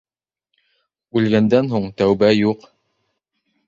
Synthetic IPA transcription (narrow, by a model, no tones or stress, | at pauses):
ʉlɡænd̪ænɦuɴt̪æwbæjuq